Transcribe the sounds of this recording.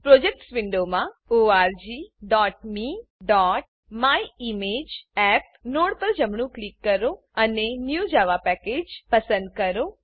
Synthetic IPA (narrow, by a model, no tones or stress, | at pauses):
pɾod͡ʒek̚ʈsʋɪɳɖomãoaɾd͡ʒiɖɔʈ̚miɖɔʈ̚ | maiimed͡ʒɛp̚noɽpəɾd͡ʒəmɳũklikːəɾo | ənenjud͡ʒaʋapɛked͡ʒpəsə̃nd̪̚kəɾo